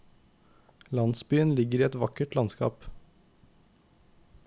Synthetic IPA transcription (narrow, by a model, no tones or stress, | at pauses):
lɑnsbyːənlɪɡəɾiːɛt̪ʋɑkəʈlɑnskɑ̰ːp